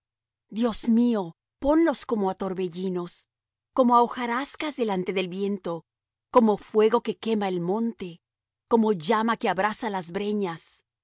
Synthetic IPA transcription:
d̪jo̞smio̞ | po̞nlo̞sko̞moat̪o̞ɾβe̞ʝino̞s | ko̞moaoxaɾaskazðe̞lant̪e̞ðe̞lβje̞nt̪o̞ | ko̞mo̞fwe̞ɣo̞ke̞ke̞mae̞lmõ̞nt̪e̞ | ko̞mo̞ʝamake̞aβɾasalazβɾe̞ɲas

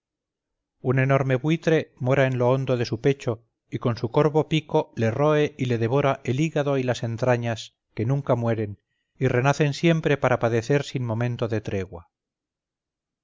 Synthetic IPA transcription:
une̞no̞ɾme̞βwit̪ɾe̞mo̞ɾae̞nlo̞o̞nd̪oðe̞supe̞t͡ʃo̞ | iko̞nsuko̞ɾβo̞piko̞le̞ro̞e̞ʔile̞ðe̞β̞o̞ɾaʔe̞liɣaðo̞ilase̞nt̪ɾaɲas | ke̞nũŋkamwe̞ɾe̞n | ire̞naθe̞nsje̞mpɾe̞paɾapaðe̞θe̞ɾsinmõ̞mẽnt̪oðe̞t̪ɾe̞ɣwa

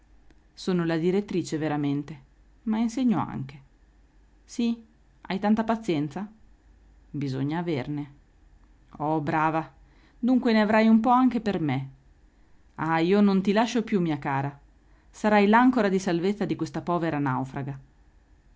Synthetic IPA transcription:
soːnolad̪iɾet̪ːɾiːt͡ʃeveɾament̪e | mainseɲːoa̰ŋk̟e̥ | si | a̰jt̪ant̪apat̪sːjɛnt̪sa | bizo̰ɲːaːverne | ɔbɾaːva | d̪uŋkweneavɾajumpɔaŋk̟eperme | aiːonont̪ilaʃːopjumːiːakaːɾa | saɾajlaŋkoɾad̪isalvet̪sːad̪ikwest̪apɔːveɾana̰wfɾaɡa

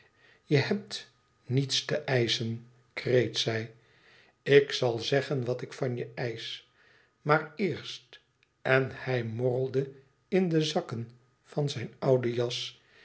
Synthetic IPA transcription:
jəhɛp̚t | nitstəʔɛjsən | krejtsɛj | ɪksɑlˠzɛχənʋɑtɪkfɑnjəɛjs | maːɹɪːɹst | ɛnhɛjmɔrəlˠdə | ɪndəzɑkən | fɑnzɛjnɑwdəjɑs

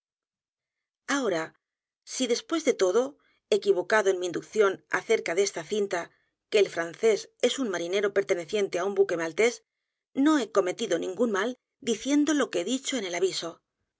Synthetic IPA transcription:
ao̞ɾa | siðe̞spwe̞zðe̞t̪o̞ðo̞ | ekiβo̞kaðo̞e̞nmiːnd̪ukθjo̞na̰θe̞ɾkaðe̞st̪aθint̪a | ke̞ːlfɾanθe̞se̞sunmaɾine̞ɾo̞pe̞ɾt̪e̞ne̞θje̞nt̪e̞aumbuke̞malt̪e̞s | no̞e̞ko̞me̞t̪iðo̞nĩŋɡunmal | d̪iθje̞nd̪o̞lo̞keeðit͡ʃo̞e̞ne̞laβiso̞

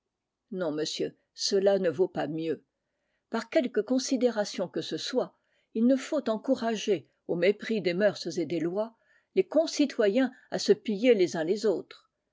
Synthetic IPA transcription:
nɔ̃məsjø | səlanəvopamjø | paʁkʲɛlkəkɔ̃sid̪eʁasjɔ̃kəsəswa | ilnəfot̪ɑ̃kuʁaʒe | omepχid̪emœʁszed̪elwa | lekɔ̃sit̪wajɛ̃ | asəpijelezɛ̃lezoːt̪χ

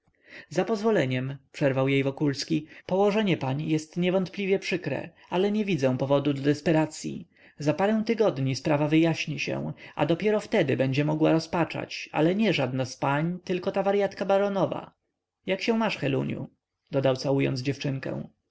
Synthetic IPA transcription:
zapɔzvɔlɛɲɛmpʂɛɾvawjejvɔkulskʲipɔwɔʐɛɲɛpaɲjɛst̪ɲɛvɔnt̪plʲivʲjɛpʂɘkɾɛ̰ | alɛɲɛvʲid̪zɛw̃pɔvɔd̪ud̪ɔd̪ɛspɛɾat̪sʲjḭ | zapaɾɛ̃w̃t̪ɘɡɔd̪ɲispɾavavɘjaɕɲiɕɛ̰w̃ʔa̰d̪ɔpʲjɛɾɔft̪ɛd̪ɘbɛɲd͡ʑɛmɔɡwa̰ɾɔspat͡ʂa̰t͡ɕa̰lɛɲɛʐad̪naspaɲt̪ɘlkɔt̪avaɾjat̪kabaɾɔnɔva̰ | jakɕɛ̃w̃maʂxɛlṵɲjṵ | d̪ɔd̪awt̪sawujɔ̰nd̪zd͡ʑɛft͡ʂɘŋkɛ̰̃w̃

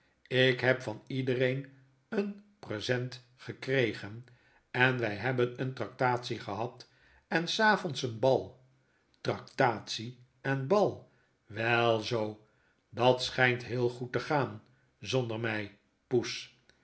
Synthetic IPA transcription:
ɪkɦɛpfɑnidərejn | ənprezɛnt | χəkrejχən | ɛnʋɛjɦɛbənəntrɑk̚taːtsiχəɦɑt | ɛnsaːfɔntsənbɑlˠ | trɑk̚taːtsi | ɛnbɑlˠ | ʋɛlˠzow | dɑtsχɛjntɦɪːlˠχutəχaːn | zɔndərmɛj | pus

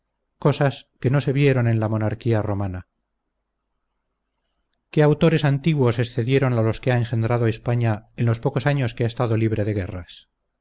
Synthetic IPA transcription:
ko̞saske̞no̞se̞βje̞ɾo̞ne̞nlamo̞naɾkiaro̞mana | ke̞awt̪oɾe̞sant̪iɣwo̞se̞sθe̞ðje̞ɾo̞nalo̞ske̞aeŋxe̞nd̪ɾað̞oespaɲaenlo̞spo̞ko̞saɲo̞skeaest̪aðo̞liβɾe̞ðe̞ɣ̞e̞ras

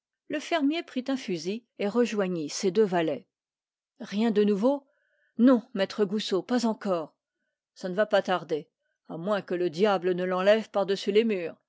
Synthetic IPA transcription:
ləfɛʁmjepχit̪ɛ̃fyzieʁəʒwaɲised̪øvalɛ | ʁjɛ̃d̪ənuvo | nɔ̃mɛt̪χəɡusopazɑ̃kɔːʁ | sanəvapat̪aʁd̪e | amwɛ̃kələd̪jablənəlɑ̃lɛvpaʁd̪əsylemyːʁ

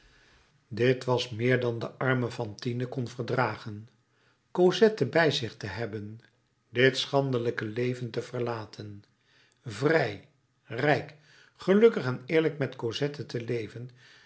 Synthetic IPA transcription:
dɪtʋɑsmɪːɹdɑndəʔɑɹməfɑntinəkɔnvəɹdraːχən | kozɛtəbɛjzɪχtəɦɛbən | dɪtsχɑndələkəlejvəntəv̥əɹlaːtʰən | vrɛj | rɛjk | χəlɵkəχɛnɪːɹləkmɛtkozɛtətəlejvən

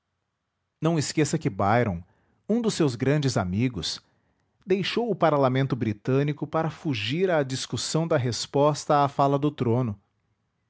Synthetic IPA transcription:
nɐ̃w̃ɪskesɐkɪbajɾõ̰w̃ | ũd̪ʊsːewzɡɾɐ̃nd͡ʒɪzamiɡʊs | d̪ejʃowʊpaɾlamẽnt̪ʊbɾit̪ɐ̃nikʊpaɾɐfuʒiɾɐd͡ʒiskusɐ̃w̃d̪ɐɦespɔst̪ɐafalɐd̪ʊt̪ɾõnʊ

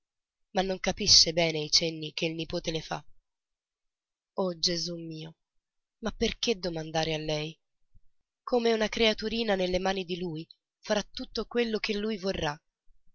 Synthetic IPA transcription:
manːoŋkapiʃːebɛːneajt͡ʃɛnːikeilnipoːt̪elefa̰ | ɔd͡ʒezumːiːo | mapːerk̟ed̪omand̪aːɾealːɛj | kʰomeunakɾeat̪uɾiːnanelːemaːnid̪iluj | faɾat̪ːut̪ːokwelːok̟elːujvorːa

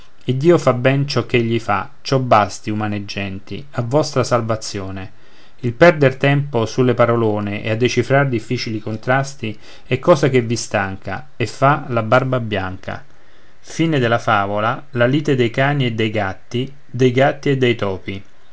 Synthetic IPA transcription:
id̪ːiːofabɛnt͡ʃɔk̟ːeʎːifa | t͡ʃɔbːast̪iumaned͡ʒːɛnt̪ḭ | avːɔst̪ɾasalvat̪sːjoːne | ilpɛrd̪ert̪ɛmposulːepaɾoloːneʔḛad̪ːet͡ʃifɾard̪ifːiːt͡ʃilikont̪ɾast̪i | ɛkːɔːzak̟evːist̪aŋka̰ | efːalabarbabjaŋkʰa̰ | fiːned̪elafaːvolalaliːt̪ed̪ejkaːnied̪ːejɡat̪ːi | d̪ejɡat̪ːied̪ːejt̪ɔːpi

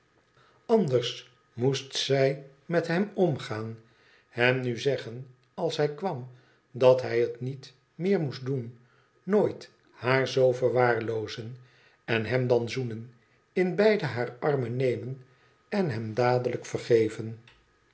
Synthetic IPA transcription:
ɑndəɹs | mustsɛj | mɛtɦɛmɔmχaːn | hɛmnyzɛχən | ɑlˠsɦɛjkʋɑm | dɑtɦɛjətnit | mɪːɹmusdun | noːjt | haːɹzowvəɹʋaːɹlowzən | ɛnɦɛmdɑnzunən | ɪnbɛjdəɦaːɹɑɹmənejmən | ɛnɦɛmdaːdələkfərχejvən

